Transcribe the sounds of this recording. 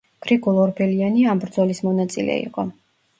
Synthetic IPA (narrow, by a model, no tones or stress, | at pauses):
ɡ̥ɾiɡulˠɔɾbʰɛlianiambɾd̪zɔlismɔnat̪sʼḭlɛ̰ḭqʼɔ